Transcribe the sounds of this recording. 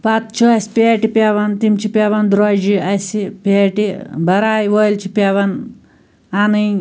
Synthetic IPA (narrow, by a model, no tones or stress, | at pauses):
pɐt̪̚t͡ʃʰuɐsʲpʲeːʈipʲeːʋɐnt̪imt͡ʃʰipʲeːʋɐnd̪ɾoːd͡ʒiɐsipeːʈibɐɾaːjʋoːjlt͡ʃʰipʲeːʋɐn | anɨj